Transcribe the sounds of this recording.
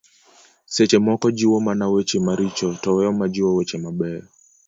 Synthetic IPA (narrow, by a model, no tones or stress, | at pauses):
sɛt͡ʃɛmɔkɔd͡ʒiwɔmanawɛt͡ʃɛmaɾit͡ʃɔtɔwɛɔmad͡ʒiwɔwɛt͡ʃɛmaɓɛɔ